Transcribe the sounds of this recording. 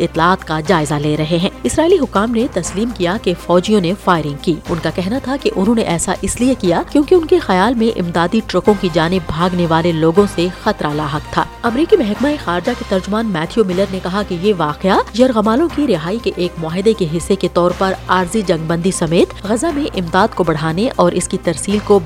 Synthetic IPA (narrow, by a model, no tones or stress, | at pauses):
ɪt̪laaːt̪kad͡ʒaːɪzaleːɾɐɦeɦɛ̃ːɪsɾaːiliɦʊkːaːmnet̪ɐsliːmkijakefɔːd͡ʒijõnefaːɪɾɪ̃ŋɡkiːʊnkakɛɦnat̪ʰakeʔʊnɦõneʔɛːsaʔɪsliekijakjõːkiʊnkexɐjaːlmẽʔɪ̰md̪aːd̪iʈɾʊkõkid͡ʒaːnɪbbʱaːɡneʋaːleloːɡõsexɐt̪ɾalaːɦɐkt̪ʰa̰ːɐmɾiːkimɛɦɛkmaexaːɾɪd͡ʒaket̪ɐɾd͡ʒʊmaːnmɛːt̪ʰijomɪləɾnekɐɦakejeʋaːqeajɐɾɣɐmaːlõkiɾɪɦaːikeʔeːkmʊaːɦɪd̪ekeɦɪsːeket̪ɔːɾpɐɾaːɾzid͡ʒɐ̃ŋɡbɐ̃nd̪ʱisɐmeːt̪ɣɐzamẽʔɪmd̪aːd̪̚kobɐɽ̤aːneʔɔːɾɪskit̪ɐɾsiːlko